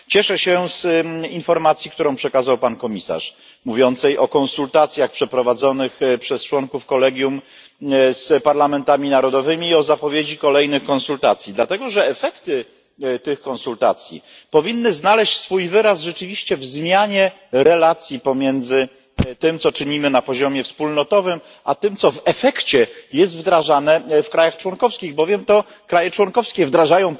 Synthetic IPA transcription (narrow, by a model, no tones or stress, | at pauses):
t͡ɕɛʂɛɕɛsinfɔɾmat̪sʲjikt̪uɾɔ̃w̃pʂɛkazawpankɔmʲisa̰ʂ | muvʲjɔnt̪sɛjʔɔkɔ̃nsult̪at̪sʲjaxpʂɛpɾɔvad̪zɔnɘxpʂɛst͡ʂwɔŋkufkɔlɛɡʲjum | spaɾlamɛnt̪amʲinaɾɔd̪ɔvɘmʲiːɔzapɔvʲjed͡ʑikɔlɛjnɘxkɔ̃nsult̪at̪sʲjid̪lat̪ɛɡɔʐɛːfɛkt̪ɘ | t̪ɘxkɔ̃nsult̪a̰t̪sʲjḭ | pɔvʲinːɘznalɛɕt͡ɕsfujvɘɾasʐɛt͡ʂɘvʲiɕt͡ɕɛvzmʲjaɲɛ | ɾɛlat̪sʲjipɔmʲjɛnd̪zɘ | t̪ɘmt̪sɔt͡ʂɘɲimɘnapɔʑɔmʲjɛfspulnɔt̪ɔvɘm | ʔat̪ɘmt̪sɔvɛfɛkt͡ɕɛjɛst̪vd̪ɾaʐanɛfkɾajaxt͡ʂwɔŋkɔfskʲiɣbɔvʲjɛmt̪ɔ | kɾajɛt͡ʂwɔŋkɔfskʲɛvd̪ɾaʐajɔ̃w̃